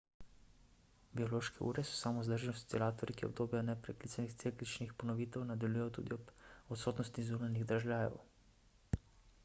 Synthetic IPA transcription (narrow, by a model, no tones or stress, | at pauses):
biɔloːʃkɛʔṵːɾɛsɔ̥saːmɔzd̪əɾʒɛnɔsu̥t̪sɛlaːt̪ɔɾikiɔ̰b̚d̪oːbjanɛpɾɛklit̪anixt̪seklit͡ʃnixpɔnɔʋiːt̪ɛwnad̪aljujɔt̪ṵːd̪iɔbɔt̪soːt̪nɔst̪izuːnaniɣd̪ɾaʒlaːjɛ̰w